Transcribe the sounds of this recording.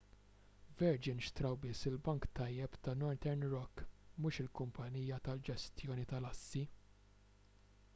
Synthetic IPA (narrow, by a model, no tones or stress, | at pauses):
vɛɾd͡ʒɪnʃt̪ɾɐwbɪsːɪlbɐŋkt̪ɐjːɛpt̪ɐnɔɾt̪ɛɾnɾɔkːmuːʃɪlkʊmpʰɐniːjɐt̪ɐld͡ʒɛst̪jɔːnit̪ɐlɐsːi